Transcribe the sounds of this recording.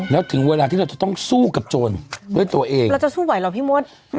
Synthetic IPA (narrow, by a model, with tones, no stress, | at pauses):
lɛː˦˥wt̪ʰɯ˩˦ŋweː˧laː˧t̪ʰiː˥˩ɾwt͡ɕa˨˩t̪ɔ˥˩ŋsuː˥˩ka˨˩p̚t͡ɕoː˧ndu˥˩əjt̪u˧ɐʔeː˧ŋɾa˧wt͡ɕa˨˩ʔsuː˥˩wa˨˩˦jlɔ˨˩p̪ʰiː˥˩mu˦˥ət̪̚